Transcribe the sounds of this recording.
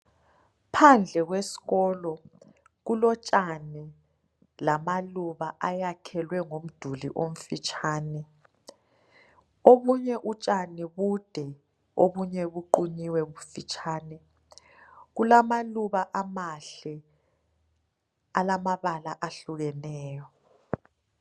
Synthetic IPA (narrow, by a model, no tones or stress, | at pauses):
pʰand͡ɮʱɛɣwesi̥ɣɔːlɔ | ɣulɔt͡ʃʼani | lamaluβaʔajakʰɛlwɛŋom̩d̥ʱulḭʔom̩fit͡ʃʼʰaːnɛ | oβuɲɛʔut͡ʃʼaniβud̥ʱɛ | oβuɲɛβuǃuɲiwɛβufit͡ʃʼʰaːnɛ | ɣulamaluβaʔamaɬɛ | alamaβalaʔaɬuɣɛnɛːjɔ